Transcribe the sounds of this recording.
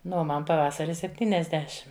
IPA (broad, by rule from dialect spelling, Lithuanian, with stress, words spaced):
ˈnʊ oː ˈmɐn pɐˈʋɑːsɐrʲɪ sʲɛpʲˈtʲiːnʲɛzʲdʲɛʃʲɪm